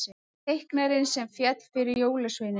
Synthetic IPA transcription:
ɪ | ejhknaɾɪnsɛmfjɛt̪fɪɾɪɾjoːwlasvenɪ

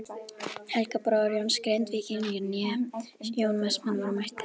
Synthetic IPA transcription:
hɛlkapɾɔɾjownskɾejnt̪viːcɪnjɪɾnjɛjoːwnmɛsmanvaɾmajht̪ɪ̥

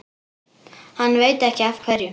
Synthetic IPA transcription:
hanːveːjt̪ɛhcɪafkʰvɛɾjʏ

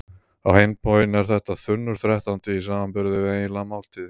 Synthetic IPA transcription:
awhejmpʰɔjɪnɛɾ̥θɛht̪aθʏnːʏɾ̥θɾɛht̪ant̪ɪis̬aːmanpʏɾðɪvɪejnlamalt̪ʰɪ

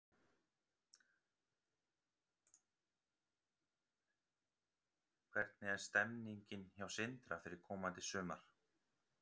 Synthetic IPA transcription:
kʰvɛɾt̪nɪɛnst̪ɛmniɲcɪnçawsɪnt̪ɾafɪɾɪɾ̥kʰɔːmant̪ɪsʏːmaɾ̥

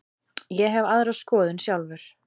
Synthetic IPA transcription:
jɛɦɛvaðɾaðskɔːðɪnsjawlvʏɾ̥

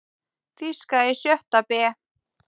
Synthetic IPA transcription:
fiskaɛsjœht̪apɛː

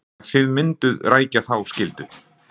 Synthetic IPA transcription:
θɪðmɪnt̪ʏðraːjcaθawscɪlt̪ʏ

